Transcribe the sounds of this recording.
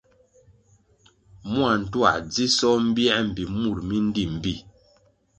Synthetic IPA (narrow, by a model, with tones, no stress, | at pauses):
mwa˨n̩˨twa̰˨ʔd͡zi˦sɔ˦m̩˦bjɛ˦m̩˨bi˨mu˦˨ɾmi˦n̩˦di˦˨m̩˨bi˦˨